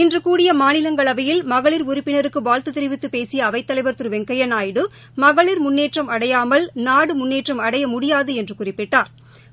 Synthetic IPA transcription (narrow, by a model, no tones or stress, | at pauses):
ɪndrɯkuːɽɪjɐmaːnɪlɐŋɡɐɭɐʋɐjɪlmɐɣɐɭɪɾʊɾʊpːɪnɐɾɯkːɯʋaːlt̪ɯt̪ːɪɾɪʋɪt̪ːɯpeːsɪjɐːʋɐɪt̪ːɐlɐɪʋɐɾt̪ɯɾɯʋɛŋkɐjɐnaːjɪɽɯ | mɐɣɐɭɪɾmʊnːeːʈrɐmɐɽɐjaːmɐlnaːɽɯmʊnːeːʈrɐmɐɽɐjɐmʊɽɪjaːðɯɛndrɯkʊrɪpːɪʈːaːɾ